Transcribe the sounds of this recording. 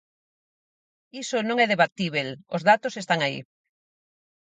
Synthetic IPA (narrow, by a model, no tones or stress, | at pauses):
isonõŋɛðeβat̪iβ̞elozðat̪osest̪aŋaḭ